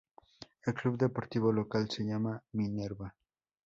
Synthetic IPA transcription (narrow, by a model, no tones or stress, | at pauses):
elklubd̪epoɾt̪iβolokalseʎamamineɾba